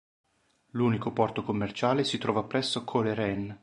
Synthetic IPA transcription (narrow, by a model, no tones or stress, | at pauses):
luːnikopɔrt̪okomːert͡ʃaːlesit̪ɾɔːvapɾɛsːokʰoleɾɛn